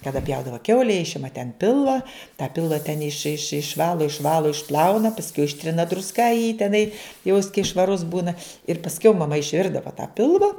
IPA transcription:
kɐˈdɐ ˈpʲjɛʊdɐʋɐ ˈkʲɛʊlʲɛ ˈɪʃʲɪmɐ tʲɛn ˈpʲɪlˠʋɐ tɑː ˈpʲɪlˠʋɐ tʲɛn ɪʃ ɪʃ ɪʃˈʋɑːlˠoː ɪʃˈʋɑːlˠoː ɪʃˈplˠɐʊnɐ pɐsʲˈkʲɛʊ ˈɪʃʲtʲrʲɪnɐ drʊsˈkɐ jiː tʲɛˈnɐɪ jɛʊ jɪs kɐɪ ʃʋɐˈrʊs ˈbuːnɐ ɪr pɐsʲˈkʲɛʊ mɐˈmɐ ɪʃʲˈʋʲɪrdɐʋɐ tɑː ˈpʲɪlˠʋɐ

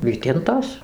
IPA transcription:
ˈʋʲiːtʲɪntoːs

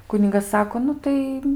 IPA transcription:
ˈkʊnʲɪɡɐs ˈsɑːkoː ˈnʊ tɐɪ

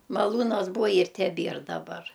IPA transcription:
mɐˈlˠuːnɐs ˈbuːɐ ɪr tʲɛˈbʲiɛr dɐˈbɐr

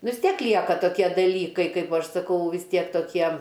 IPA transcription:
nʊ ʋʲɪs ˈtʲiɛk ˈlʲiɛkɐ toːˈkʲiɛ dɐˈlʲiːkɐɪ ˈkɐɪp ˈɐʃ sɐˈkɐʊ ʋʲɪs ˈtʲiɛk toːˈkʲiɛm

